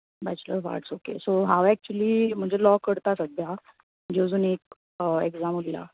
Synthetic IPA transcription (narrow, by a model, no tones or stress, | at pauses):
bat͡ɕlə̰ʋa̰ɾʈsokesoɦaʋæk̚t͡ɕuəliːm̤əɳd͡ʑelɔkəɽt̪asəd̪ʱja | d͡ʑed͡zuːnek̚ | eɡzamulla̰